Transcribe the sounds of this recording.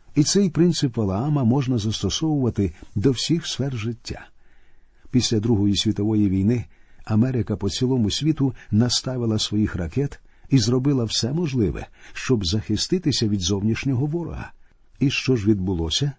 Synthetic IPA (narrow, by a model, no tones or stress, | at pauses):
it̪sɛjpɾɪnsɪpʋɐlˠɐamɐmɔʒnɐzɐst̪ɔsɔwʊʋɐt̪ɪd̪ɔwsʲixsfɛrʒɪtʲːa̰ | pʲisʲlʲɐd̪ɾuɦɔjisʲʋʲit̪ɔʋɔjiʋʲijnɪɐmɛɾɪkɐpɔt͡sʲilˠɔmʊsʲʋʲit̪ʊnɐst̪ɑʋɪlˠɐsʋɔjixɾɐkɛt̪ | izrɔbɪlˠɐwsɛmɔʒlˠɪʋɛ̰ʃt͡ʃɔbzɐxɪst̪ɪt̪ɪsʲɐʋʲid̪zɔwnʲiʃnʲɔɦɔʋɔɾɔ̰ɦɐ̰ | iʃt͡ʃɔʒʋʲid̪̚bʊlˠɔsʲɐ